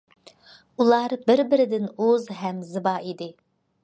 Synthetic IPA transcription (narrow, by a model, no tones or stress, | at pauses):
ulˠɑɾbɪɾbɪɾɪd̪ɪnozɦɛmzɨbɑid̪ɪ